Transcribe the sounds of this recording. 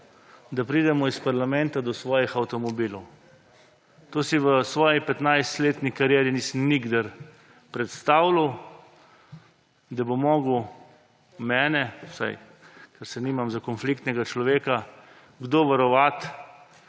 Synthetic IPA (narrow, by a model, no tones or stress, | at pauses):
d̪apɾiːd̪ɛmɔispaɾlamɛ̃nt̪ad̪ɔsʋɔːjixawt̪ɔmɔbiːlw | t̪oːsiʋəsʋɔːjipɛt̪najst̪leːt̪nikaɾjɛːɾinisəmniɡd̪aɾ | pɾɛt̪st̪awlaw | d̪abomɔːɡuw | mɛːnɛsa̰j | kɛɾsɛnimamzakɔnflikt̪nɛɡat͡ʃlɔʋeːka | ɡd̪oʋaɾɔʋat̪